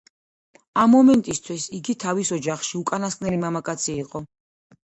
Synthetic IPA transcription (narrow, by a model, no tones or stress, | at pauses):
amːɔmɛnt̪ʼist̪ʰwisiɡit̪ʰavisɔd͡ʒaχʃiukʼanaskʼnɛlimamakʼat̪sʰiːqʼɔ